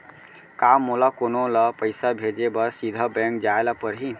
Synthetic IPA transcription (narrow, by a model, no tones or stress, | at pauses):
kamːolakonoləpəjsabʱed͡ʒebəɾsid̪ʱəbɛŋk̚d͡ʒaelapəɾɦi